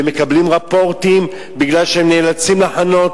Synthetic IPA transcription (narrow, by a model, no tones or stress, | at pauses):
eme̞kablimʁapo̞ʁt̪im | biɡlalʃehemneːlat͡simlaħano̞t